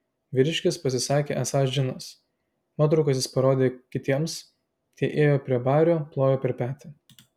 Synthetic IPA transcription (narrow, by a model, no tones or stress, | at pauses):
ʋʲɪɾʲɪʃʲkʲɪspɐsʲɪsɑːkʲeːʔæsɑːsʒʲɪnɐs | mɑːt̪ɾɔʊkɐsjɪspɐɾoːd̪ʲeːkʲɪt̪ʲiɛms | t̪ʲiɛʔeːjoːpʲɾʲiɛbɑːɾʲoːplˠoːjoːpʲɛɾʲpʲæːt̪ʲɪ